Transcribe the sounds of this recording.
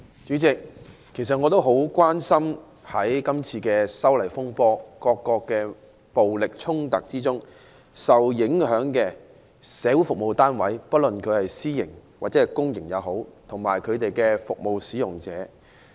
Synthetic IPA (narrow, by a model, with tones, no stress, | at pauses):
t͡ʃyː˨˥t͡sɪ˨kʰː | e˨˩js̬ɐ˨t̚ŋɔː˨˧t̪o˥wɦo˨˥wkʷwaː˥nsɐ˥m | hɐ˨˥jkɐ˥mt͡sʰiː˧kɛː˧sɐ˥wlɐ˨˩jfʊ˥ŋpɔː˥kɔː˧kːɔː˧kːɛː˧ | po˨wlɪ˨k̚t͡sʰʊ˥ŋt̪ɐ˨k̚t͡siː˥t͡sʊ˥ŋ | sɐ˨wjɪ˨˥ŋɦœː˨˥ŋkɛː˧ | sɛː˨˧wu˨˥jfʊ˨k̚mo˨wt̪aː˥nwɐ˨˥jpɐ˥t̚lɵ˨nkʰɵ˨˧ɥhɐ˨jsiː˥jɪ˨˩ŋwaː˨t̚t͡sɛː˨˧˥ɐ˨˩jkʊ˥ŋjɪ˨˩ŋjɐ˨˧wɦo˨˥wt̪ʰʊ˨˩ŋmaː˨˩jkʰɵ˨˧ɥt̪e˨jkɛː˧fʊ˨k̚mo˨wsiː˨˥jʊ˨˩ŋt͡sɛː˨˥